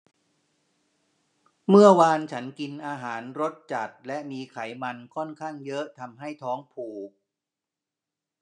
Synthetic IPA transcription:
mɯ˥˩ɐwaː˧nt͡ɕʰa˦˥nki˧nʔaː˧ɦaː˩˦nɾo˦˥t̪̚t͡ɕa˨˩t̪̚lɛ˦˥ʔmiː˧kʰa˩˦jma˧nkʰɔ˥˩nkʰaː˥˩ŋjɤ˦˥ʔt̪ʰa˧mɦa˥˩jt̪ʰɔː˦˥ŋpʰuː˨˩k̚

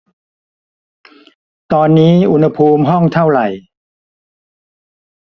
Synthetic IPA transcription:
t̪ɔː˧nːiː˦˥ʔu˧nha˧pʰuː˧mɦɔ˥˩ŋt̪ʰa˥˩wɾa˨˩j

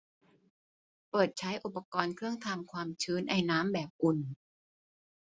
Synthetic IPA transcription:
pɤː˨˩t̪̚t͡ɕʰa˦˥jʔu˨˩pːa˧kɔː˧nkʰɾɯ˥˩əŋt̪ʰaː˧mkʰwaː˧mt͡ɕʰɯː˦˥nʔa˧jnaː˦˥mbɛː˨˩p̚ʔu˨˩n

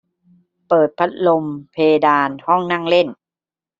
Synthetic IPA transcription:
pɤː˨˩t̪̚pʰa˦˥t̪̚lo˧mpʰeː˧daː˧nhɔ˥˩ŋna˥˩ŋle˥˩n

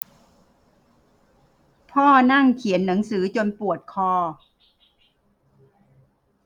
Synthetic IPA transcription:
pʰɔː˥˩na˥˩ŋkʰi˨˩˦nːa˩˦ŋsɯː˩˦t͡ɕo˧npu˨˩ət̪̚kʰɔː˧˩

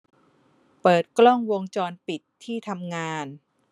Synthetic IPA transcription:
pɤː˨˩t̪̚klɔ˥˩ŋwo˧ŋt͡ɕɔː˧npi˨˩t̪ʰːiː˥˩t̪ʰa˧mŋaː˧n

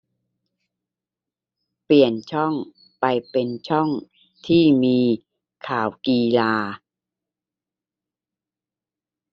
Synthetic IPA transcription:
pli˨˩ənt͡ɕʰɔ˥˩ŋ | pa˧jpe˧nt͡ɕʰɔ˥˩ŋ | t̪ʰiː˥˩miː˧ | kʰaː˩˦wkiː˧laː˧

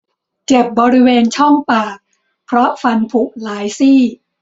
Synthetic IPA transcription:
t͡ɕe˨˩p̚bɔː˧ɾi˦˥weː˧nt͡ɕʰɔ˥˩ŋpaː˨˩k̚ | pʰɾɔ˦˥ʔfa˧npʰu˨˩k̚laː˩˨˦jsiː˥˩

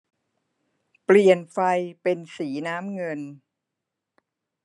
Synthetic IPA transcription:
pli˨˩ənfa˧jpe˧nsiː˩˦naː˦˥mŋɤ˧n

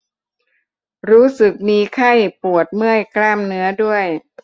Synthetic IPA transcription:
ɾuː˦˥sɯ˨˩k̚miː˧kʰa˥˩jpu˨˩ət̪̚mɯ˥˩əjkɾaː˥˩mnɯ˦˥ɐdu˥˩əj

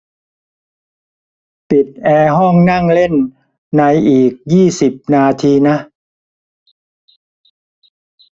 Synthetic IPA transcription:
pi˨˩t̪̚ʔɛː˧ɦɔ˥˩ŋna˥˩ŋle˥˩n | na˧jʔiː˨˩k̚jiː˥˩si˨˩p̚naː˧t̪ʰiː˧na˦˥ʔ

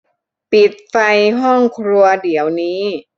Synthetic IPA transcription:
pi˨˩t̪̚fa˧jɦɔ˥˩ŋkʰɾu˧ɐdi˩˦əwniː˦˥

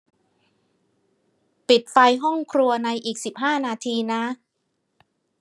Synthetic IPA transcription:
pi˨˩t̪̚fa˧jɦɔ˥˩ŋkʰɾu˧ɐna˧jʔiː˨˩k̚si˨˩p̚ɦaː˥˩naː˧t̪ʰiː˧na˦˥

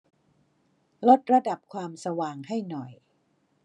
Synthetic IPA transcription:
lo˦˥t̪̚ɾa˧da˨˩p̚kʰwaː˧msa˧waː˧ŋha˥˩jnɔ˨˩j

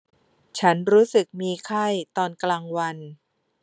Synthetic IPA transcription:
t͡ɕʰa˦˥nɾuː˦˥sɯ˨˩k̚miː˧kʰa˥˩jt̪ɔː˧nklaː˧ŋwa˧n

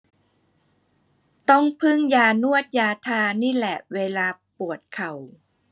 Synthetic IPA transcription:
t̪ɔ˥˩ŋpʰɯ˥˩ŋjaː˧nu˥˩ət̪̚jaː˧t̪ʰaː˧niː˥˩lɛ˨˩weː˧laː˧pu˨˩ət̪̚kʰa˨˩w

